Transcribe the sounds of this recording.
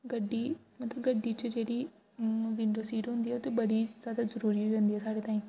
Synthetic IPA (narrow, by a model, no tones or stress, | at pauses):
ɡɐɖi | mɐt̪ləbɡɐɖit͡ɕəd͡ʒeːɽi | ʋɪ̃ːɳɖosiːʈɦʊ̃ːnd̪iɦɛʊt̪ebɐɽizjaːd̪azɐɾuːɾiʋẽːnd̪iɛːsaːɽet̪aːĩ